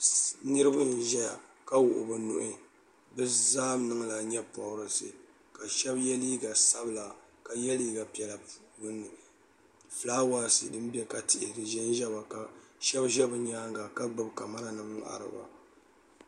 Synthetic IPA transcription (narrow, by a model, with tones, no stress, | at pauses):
nɨ˦ɾɨ˦bɨ˦nʒɛ˦ja˨ | ka˦wʊ˨ʔʊ̰˨bɨ˨nʊ̰˦ʔɪ˦ | bɨ˦zaː˦mnɨ˦ŋla˨ɲɛ˦pɔ˨ʊ˨ɾɨ˨sɨ˨ | ka˨ʃɛ˦bjɛ˦li˦ɡa˨sa˦bɨ˦˨la˨ka˨jɛ˦liː˦ɡa˨pi˨ɛ˨la˨pɡʊ˦nːɨ˨ | flaː˦wa˦sɨ̰˨dɨ˦mbɛ˦ka˨tɪ˦˨ʔɾɨ˨ʒɛ˦n˦ʒɛ˦ba˨ka˨ʃɛ˦bʒɛ˦bɨ˨ɲaː˦ŋɡa˨ka˦ɡ͡bɨ˦bka˨ma˦ɾa˨nɨ˨m̩˦ʔa̰˨ɾɨ̰˨ba̰˨